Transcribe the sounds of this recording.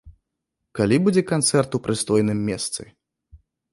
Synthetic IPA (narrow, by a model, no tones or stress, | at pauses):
kalʲibud͡zʲɛkant̪sɛrt̪upɾɨst̪ɔjnɨmʲːɛst̪sɨ̰